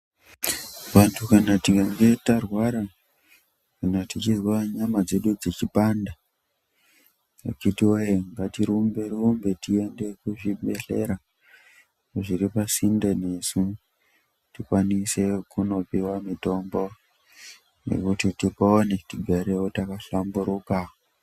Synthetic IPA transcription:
ʋantʰukanatikaŋɡe̞tarwaɾa | ʐinotit͡ʃizwaɲamad͡ze̞ɗud͡zet͡ʃipaːnda | kitiwojeŋɡatiɾumbe̞rumbe̞tie̞nde̞kuʐiɓe̞ɬe̞ɾa | ʐiɾipasindene̞su | tikwanise̞kuno̞piwamito̞mbo̞ | ne̞̰kutitipoːne̞tiɡʱaɾewotakaɬambuɾuka

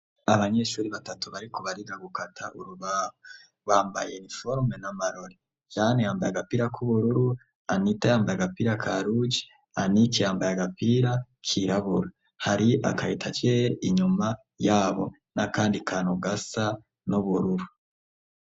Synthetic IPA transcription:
aβaɲe̞ʃuːɾiβatatuβaɾikʰoβaɾiɡaɡukatʰa̰ʔuɾuβaːho | βaːmba̰jenifoɾmenamaɾoɾe | jaːnejaːmba̰ja̰ɡapiɾakʰuβuɾuɾu | anitajaːmbajaɡapiɾakʰaɾud͡ʒi̥ | anikijaːmbajaɡapiɾakʰiɾaβuɾa | haɾiʔa̰kaitʰat͡ʃejʔiɲuma | jaːβo̞̰ | nakaːndikʰaːnoɡasa | nuβuɾuɾu

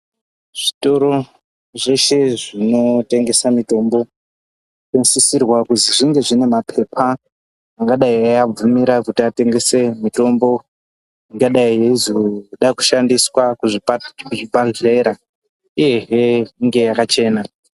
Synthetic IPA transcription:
ʐ̥ito̞ɾo̞ | ʐe̞ʃe̞ʐino̞te̞ŋɡe̞samito̞mbo̞ | kensisirwakuziʐiŋɡe̞ʐine̞mapʰe̞pʰaː | ŋɡaɗaiajab͡vumiɾakutiate̞ŋɡe̞se̞mito̞mbo̞ | iŋɡaɗaijeizoɗaku̥ʃandiswakuʐipkuʐipaɮeɾa | ije̞ɦeiŋɡe̞jakat͡ʃe̞ːna

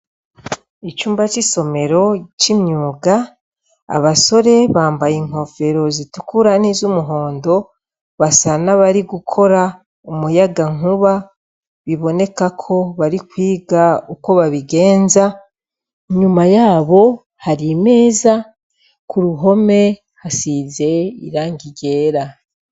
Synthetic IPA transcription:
it͡ʃuːmbat͡ʃiso̞me̞ɾo̞t͡ʃimɲuːɡa | a̰βaso̞ɾe̞βaːmbajiŋ̥o̞fe̞ɾo̞zitukuɾanizumuɦo̞ːndo̞ | βasanaβaɾiɡukʰo̞ɾa | umujaɡaŋuβa | βiβo̞ne̞kakʰo̞βaɾikwiːɡauko̞βaβiɡe̞ːnza | ɲumajaːβo̞ | haɾime̞ːza | kuɾuɦo̞me̞ | hasize̞ḭɾaːŋɡiɟe̞ːɾa

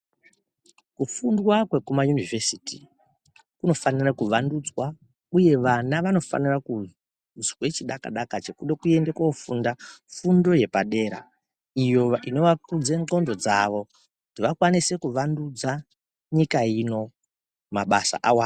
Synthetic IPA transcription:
kufundwakwe̞kumajunivʱesitḭ | kuno̞fanirakuʋandud͡zwa | uje̞ʋanaʋano̞fa̰niraku | zwe̞t͡ʃiɗaka̰ɗakat͡ʃe̞kuɗekue̞ndekwoufundafundo̞je̞paɗe̞ːɾa̰ | ijo̞ino̞ʋakud͡zeŋ͡ǀo̞ndo̞d͡zaʋo̞ | kudiʋakwanise̞kuʋandud͡za | ɲikaino̞ | maɓa̰sa̰ʔawaːn

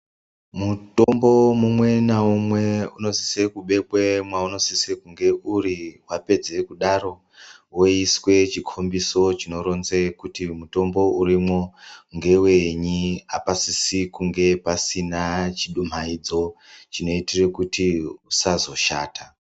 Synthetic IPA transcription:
mutombo̞mumwe̞naumwe̞uno̞si̥sekuɓe̞kwemwauno̞sisekuŋɡe̞ʔuɾiwape̞d͡ze̞kuɗaɾo̞ | wo̞iswe̞t͡ʃikʰo̞mbiso̞t͡ʃino̞ɾo̞nzekutimuto̞mbo̞urimwo̞ŋɡe̞we̞ɲiapasisikuŋɡe̞pasinat͡ʃiɗum̤aid͡zo̞t͡ʃino̞itirekutʰiusazo̞ʃa̰ːta

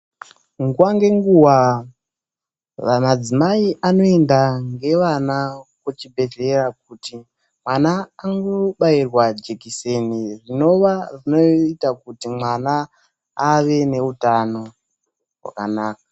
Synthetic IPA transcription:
ŋɡuwaŋɡe̞ŋɡuwa | ʋamad͡zimaiʔano̞endaŋɡe̞ʋanakot͡ʃibʱe̞ɮe̞rak̚uti | mwanaːŋɡo̞ɓairwad͡ʒekisenirino̞ʋarino̞itakutimwanaː | ʋe̞ne̞utano̞ | wa̰ka̰naːka

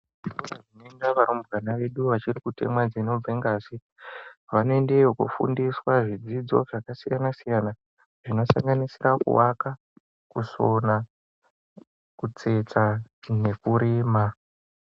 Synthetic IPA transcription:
ioaʐinoendaʋaɾombɡanaʋe̞ɗuʋat͡ʃirikute̞̰mwad͡zino̞b͡veŋɡaːsi | ʋanoende̞okṵfṵndiswaʐid͡zid͡zo̞̰ʐakasijanasijana | ʐ̥ino̞sa̰ŋɡanisirakṵwaka | kusona | kut͡se̞t͡sane̞kuɾiːma

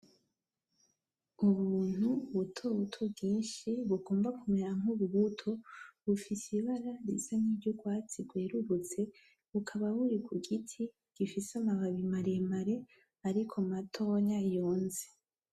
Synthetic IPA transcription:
uβuːn̥huβutʰoβutʰobɡiːnʃiβuɡo̞ːmbakumeɾaŋuβuɡutʰoβufisiβaɾaɾḭsaniːbɟoɡwaːt͡siɡweːɾuβut͡se̞ | βukʰaβaβuɾikʰuɡitʰi | ɡ̥ifisamaβaβimaɾemaɾe̞ | aɾikʰomatʰo̞ːɲajoːnze

